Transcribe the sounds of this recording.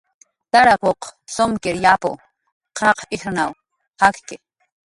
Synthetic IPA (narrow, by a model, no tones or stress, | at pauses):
t̪aɾakoqsomkɪɾjapo̰ | qʰɑqʰʔɪxnaw | hakke